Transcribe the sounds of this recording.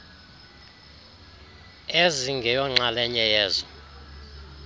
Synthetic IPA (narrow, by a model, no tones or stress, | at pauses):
eziŋɡʱɛjɔŋ͡ǁalɛɲɛjɛːzɔ